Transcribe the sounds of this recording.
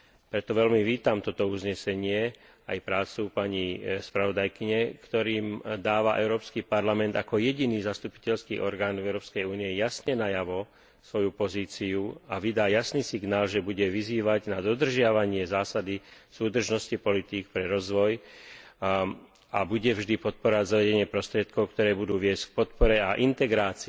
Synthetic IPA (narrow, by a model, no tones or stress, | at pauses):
pɾɛt̪ɔʋɛlmiʋiːt̪amt̪ɔt̪ɔuzɲɛsɛɲɪɛ | ajpɾaːt͡supaɲispɾaʋɔd̪ajkiɲɛkt̪ɔɾiːmd̪aːʋaʔɛʊɾɔːpskipaɾlamɛnd̪akɔjɛɟiniːzast̪upi̥cɛʎskḭːʔɔɾɡaːnɛʊɾɔːpskɛjuːniɛjasɲɛnajaʋɔ | sʋɔjupɔziːt͡siuaʋid̪aːjasniːsiɡnaːlʒɛbuɟɛʋiziːʋaɟnad̪ɔd̪r̩ʒɪaʋaɲɪɛzaːsad̪isuːd̪r̩ʒnɔscipɔlit̪iːkpɾɛɾɔzʋɔj | abuɟɛvʒd̪ipɔt̪̚pɔɾɔʋaɟzaʋɛɟɛɲɪɛpɾɔst̪ɾɪɛt̪kɔʊkt̪ɔɾɛːbud̪uːʋɪɛsck̚pɔt̪̚pɔɾɛaʔint̪ɛɡɾaːt͡si